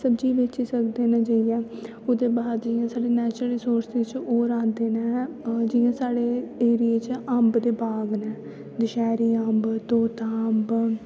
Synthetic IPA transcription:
səbd͡ʒiːʋeːt͡ʃiːsəkd̪eːnaːd͡ʒaːijɛː | ʊd̪eːbaːd̪d͡ʒɪjãːsaːɽeːnɛːt͡ʃɾsoːɾsd̪et͡ʃoːɾãːnd̪eːnɛːd͡ʒɪːãːsaːɽeːeːɾieːt͡ʃəmbd̪eːbaːɡnɛː | d̪ɪʃɛːɾiːəmbt̪oːt̪aəmb

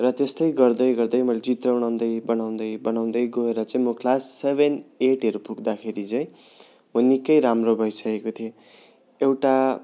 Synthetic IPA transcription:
rʌt̪est̪ʌjɡʌrd̪ʌjɡʌrd̪ʌjmʌjled͡zit̪rawnaw̃nd̪ʌjbʌnaw̃nd̪ʌjbʌnaw̃nd̪ʌjɡoeɾʌt͡sʌĩmokʰlasːebʱeneʈʌɾupʰukd̪akʰeɾit͡sʌĩ | unikːʌjɾamrobʱʌjsʌkekot̪ʰio | ewʈa

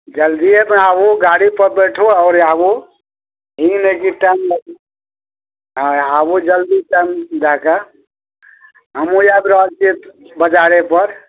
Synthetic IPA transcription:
d͡ʒəld̪iemeabuɡaɽipəɾbəʈʰuɔʊɾabu | ɦĩnekiʈamla | abud͡ʒəld̪iʈamd͡ʒaka | ɦəmujabɾəd͡ʒt͡ʃit̪bəd͡ʒaɾepəɾ

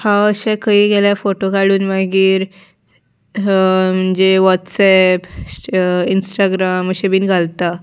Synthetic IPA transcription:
hãəɕɛkaiːɡɛljafoʈokaɽuːnmaɡiːɾ | m̤əɳd͡zeʋɔtsɛp | insʈaɡɾaməɕebiːnɡʱalt̪a

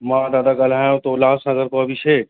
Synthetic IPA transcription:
mãːd̪aːd̪aɡaːlaːjõt̪olaːsãɐɡəɾkoɐbʱiʃeː

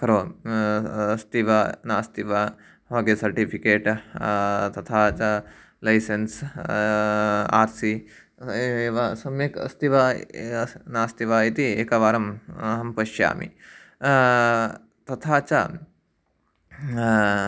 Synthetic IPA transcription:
kɐɾoː | st̪iʋɐnaːst̪iʋɐ | ɦaɡesɐɾʈipʰikeːʈ | t̪ɐt̪ʰaːt͡ʃɐ | lɐjsens | aːɾsi | eːʋɐsɐmjekɐ̰st̪iʋɐ | naːst̪iʋɐit̪iekɐʋaːɾɐmɦɐmpɐʃja̰ːmḭ | t̪ɐt̪ʰaːt͡ʃɐ

